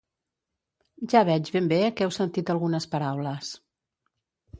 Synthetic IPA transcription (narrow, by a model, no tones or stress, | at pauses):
ʒaβɛd͡ʒβembekɛwsənt̪it̪əlˠɣunəspəɾawləs